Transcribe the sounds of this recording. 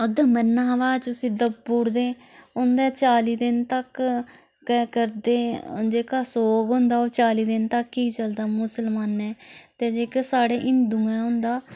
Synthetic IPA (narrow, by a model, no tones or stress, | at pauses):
ʊd̪eːmənːãːʋaːt͡ʃʊsĩːd̪əbuːɽd̪ẽːʊnd̪ɛːt͡ʃaːliːd̪ɪnt̪əkː | ɛːkəɾd̪eːd͡ʒeːkaːsoːɡɦʊ̃nd̪aːoːt͡ʃaːliːd̪ɪnt̪əkːiːt͡ʃəld̪aːmʊsəlmaːnɛːt̪eːd͡ʒeːkːsaːɽeːʔɪnd̪ũːɛ̃ːɦʊ̃nd̪aː